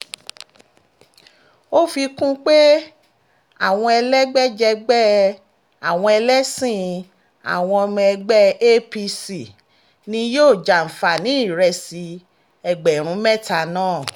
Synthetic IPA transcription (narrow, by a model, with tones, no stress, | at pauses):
o˦fi˧kũ˦k͡pe˦ | a˦˨w̃ɔ̃˧ɛ˧lɛ˦ɡ͡bɛ˦d͡ʒɛ˧ɡ͡bɛ˦ | a˨w̃ɔ̃˧ɛ˧lɛ˦sĩ˦˨ | a̰˨w̃ɔ̃˧ɔ˧m̃˧ɛ˧ɡ͡bɛ˦e˦pi˧si˨ | nĩ˧joː˦˨d͡ʒa˨n̩˨fa˨nĩ˨˦i˦˨ɾɛ˧si˧ | ɛ˨ɡ͡bɛ˨ɾ̃ũ˨˦mɛ˦˨ta˧˨nãː˦˨